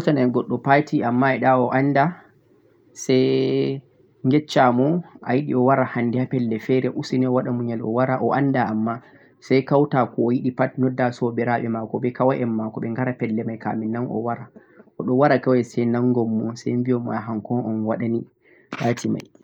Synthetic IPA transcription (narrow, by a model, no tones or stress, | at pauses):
ɔsanaɡɔɗːɔpatiamːaɛɗaɔʔanːda | sɛj | ŋɡɛt͡ʃːamɔʔa̰jiɗiɔwaɾahandihapɛlːɛfɛɾɛʔusinɛɔwaɗamuɲɛlɔ̰waɾaʔɔʔandaamːa | sajkawtakɔːjiɗipat̚nɔdːasɔbɛɾaɓɛmakɔɓɛkawaʔɛmːakɔɓɛŋɡaɾapɛlːɛmajka̰mɛnːanʔɔ̰waɾa | ʔɔɗɔwaɾakawajsɛjnaŋɡɔmːɔsa̰jmbijɔmaɦaŋkɔnɔnwaɗani | latʰima̰j